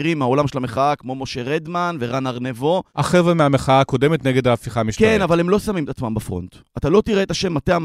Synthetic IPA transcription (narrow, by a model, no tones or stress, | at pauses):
ʁimao̞lamʃelameχaakmo̞moʃeʁed̪manve̞ʁanaʁnevo̞aχevʁemeameχaako̞demet̪neɡed̪aːfiχamiʃkenavalemlo̞samimet̪at͡smambafʁo̞̰nt̪at̪alo̞t̪iʁeːt̪aʃe̞mːateam